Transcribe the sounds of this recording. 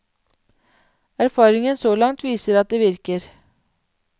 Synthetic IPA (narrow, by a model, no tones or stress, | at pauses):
æɾfɑːɾɪŋənsoːlɑŋt̪ʰʋiːsəɾɑt̪̚d̪eːʋɪɾkəɾ